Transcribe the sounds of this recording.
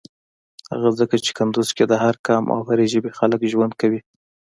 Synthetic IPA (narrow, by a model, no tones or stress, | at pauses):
ha̰ɣazəkat͡ʃe̥kand̪ozked̪əhaɾkɑmʔa̰whaɾeʒəbexaləkʒwand̪̚kawi